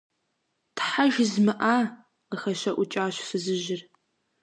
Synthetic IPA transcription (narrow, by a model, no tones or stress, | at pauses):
tʰħaʒzmɨʔaː | qəxɐʃɐʔʷʊt͡ʃʼaːɕfɨzɨʒɪr